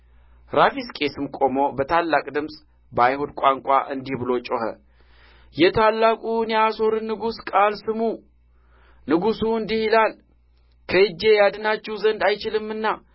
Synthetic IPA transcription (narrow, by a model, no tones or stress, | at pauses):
ɾafiskʼe̞sɨmkʼo̞mo̞bət̪ʰalːakʼd̪ɨmsʼ | bajhud̪kʷʼaŋkʷʼa̰ʔɨnd̪ihbɨlo̞t͡ʃʼohə̰ | jɛt̪ʰalːakʼuɨnjaso̞ɾɨnːɨɡuskʼalsɨmu | nɨɡusuɨnd̪ihɪlal | kʰəɨd͡ʒe̞jad̪ɨnat͡ʃːɛwzənd̪ajt͡ʃɪlɨmːɨnːa